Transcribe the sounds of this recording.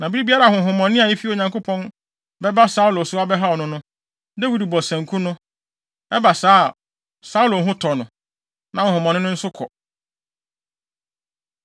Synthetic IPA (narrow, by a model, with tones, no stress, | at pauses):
nã˨bi˦ɾi˦bi˦a˦ɾa˨hʊ̃˨ɦʊ̃˨mɔ̃˨nɪ̃˦a˨i˦fi˦˨o˨ɲã˨ŋko˦pʰɔ̃˦n | bɛ˦ba˦sa˦u˦lo˨sʊ˦a˦bɛ˦ɦa˦ɔ˨nʊ̃˦nʊ̃˦ | de˦wi˨dbɔ˨sɛ̃˨ŋ˨kʰũ˦nʊ̃˦ | ɛ˦ba˨saː˦a˨ | sa˦u˦lo˨ɦʊ̃˦tʰɔ˨nʊ̃˨ | nã˨hʊ̃˨hʊ̃˨mɔ̃˨nɪ̃˦nʊ̃˦n̩˦sʊ˦kʰɔ˨